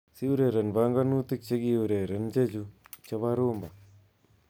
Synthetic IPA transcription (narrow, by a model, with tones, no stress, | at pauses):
si˦wɾe˨ɾɐ˨nbaŋɡa˦nu˦t̪i˦k̚t͡ʃe˦ɡi˦wuɾe˨ɾɐ˦nd͡ʒe˦d͡ʒut͡ʃɐβa˦ɾo˦mba˨